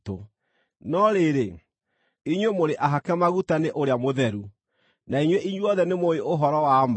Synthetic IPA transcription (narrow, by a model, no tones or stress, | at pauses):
to̰ | nɔɾeɾe | iɲwemoɾeʔaɦakɛmaɣutaneʔoɾeamoðɛɾu | naiɲweʔiɲwɔðɛnemoeoɦɔɾɔwama